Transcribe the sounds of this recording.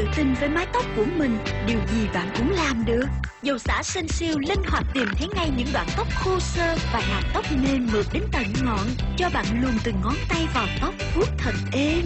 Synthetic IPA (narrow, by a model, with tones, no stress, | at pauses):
ɨ̰˧˨t̪ï˧nvəː˨˦jmaː˨˦jt̪ə˦˥wk͡p̚ku˧˩əmï˨˩ŋ̟ɗi˨˩əwzi˨˩ɓa̰ː˧˨nkʊ̰˧˥ŋ͡mlaː˨˩mɗəː˨˩zə˨˩wsa̰ː˧˥si˧ŋ̟si˧əwli˧ŋhwaː˨˩t̚t̪i˨˩mt̪ʰe˨˦ŋa˧jɲɨ̰˧˥ŋɗwaː˧˨nt̪ə˦˥wk͡p̚xu˧səː˧vaː˨˩ma̰ː˨˩t̚t̪ə˦˥wk͡p̚ne˧nːɨ˨˩k̚ɗe˨˦nt̪ə˧˩nŋɔ̰˧˨nt͡ɕɔ˧ɓa̰ː˧˨nlu˨˩ənt̪ɨ˨˩ŋŋɔ˨˦nt̪a˧jvaː˨˩wt̪ə˦˥wk͡p̚fu˦˥ək̚t̪ʰə˨˩n̚ʔe˧